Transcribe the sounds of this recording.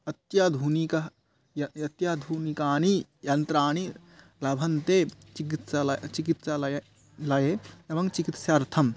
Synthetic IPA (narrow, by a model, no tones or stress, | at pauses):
ɐt̪jad̪ʱuːnikɐ | jɐɐt̪jad̪ʱuːnikaːnijɐnt̪ɾaːñi | lɐbʱɐnt̪eːt͡ʃikit̪salt͡ʃikit̪salɐj | lɐjeɐʋɐ̃ŋt͡ʃikit̪sjɐɾt̪ʰɐm